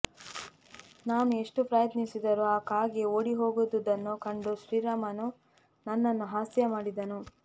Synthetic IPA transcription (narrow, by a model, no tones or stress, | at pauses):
naːnue̞ʂʈupɾɐjɐt̪nisid̪ɐɾuaːkaːɡeoːɽiɦo̞ːɡud̪ud̪ɐnːukɐɳɖuʃɾiːɾaːmɐnu | nɐnːɐnːuɦaːsjɐmaːɽid̪ɐnu